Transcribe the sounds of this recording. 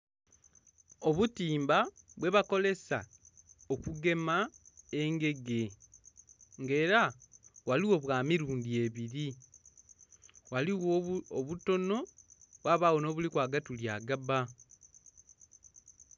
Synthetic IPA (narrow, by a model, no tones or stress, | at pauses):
oβutiːmbaβwe̞βako̞le̞sa̰ | okuɡe̞mae̞ŋɡe̞ɡe̞ | ŋɡe̞ːɾawaliwo̞βwaːmiɾuːndie̞βiɾi | waliwooβuto̞no̞βwaːβaːwo̞no̞ːβulikwaːɡatuljaːɡaba